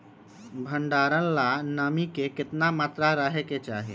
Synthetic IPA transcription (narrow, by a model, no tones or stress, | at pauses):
bʱə̃ɳɖaːɾənlanaːmikekɪt̪namaːt̪ɾaɾaːɦeket͡ʃaːɦiḛː